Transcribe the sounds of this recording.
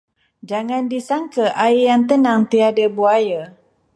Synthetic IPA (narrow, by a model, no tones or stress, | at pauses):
d͡ʒaŋandisaŋkəʔaijaŋt̪ənaŋt̪iadəbuaja